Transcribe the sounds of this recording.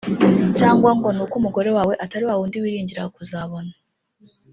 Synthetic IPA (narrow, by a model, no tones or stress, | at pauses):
caːŋɡwaŋɡo̞nukumuɡo̞ɾe̞waːwe̞ʔataɾiwawuːndiwiːɾiːɲɟiɾakuzaβo̞na